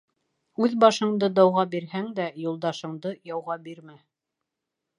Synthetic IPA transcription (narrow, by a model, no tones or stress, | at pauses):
ʉðbɑʃɤ̆ɴd̪ɤd̪ɑwʁɑbiɾhæŋd̪æjulˠd̪ɑʃɤ̆ɴd̪ɤjɑwʁɑbiɾmæ